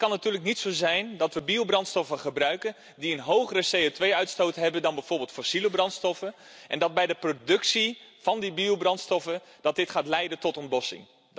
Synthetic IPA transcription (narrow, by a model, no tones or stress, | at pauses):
kɑnːatyːləknitsozɛjndɑtʋəbiəbrɑntstɔfəχəbrœɥkən | diənɦowɣərəsejotʋejœɥtstoːtɦɛbədɑnbɛjvoʊːrbɪːlˠtfɔsiləbrɑntstɔfəʔɛndɑd̚bɛjdəprodɵksiv̥ɑndibiobrɑntstɔfə | d̥ɑt̚dɪtχaːtlɛjdəntɔtɔntlɔsɪ̰ŋ